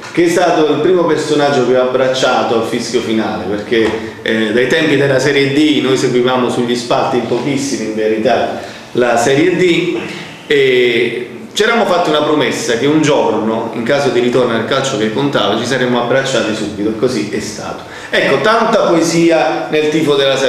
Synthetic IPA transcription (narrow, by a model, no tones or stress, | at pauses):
k̟eɛst̪aːt̪oilpɾiːmopersonad͡ʒːokeɔabːɾat͡ʃːaːt̪oalfiskjofinaːleperk̟e | d̪ajt̪ɛmpid̪elːasɛɾjed̪inojseɡwivaːmosuʎːispart̪impɔk̟isːimiːɱveɾit̪a | lasɛːɾjed̪i | ɛ | t͡ʃiɛɾamːofat̪ːiunapɾomesːak̟eund͡ʒornoḭŋkaːzod̪iɾit̪ornoalkalt͡ʃok̟ekːont̪aːvat͡ʃisaɾemːoabɾat͡ʃːaːt̪isubːit̪oɛkːoziʔɛst̪a̰ːt̪o̥ | ɛkːot̪ant̪apoeziːanelt̪iːpod̪ela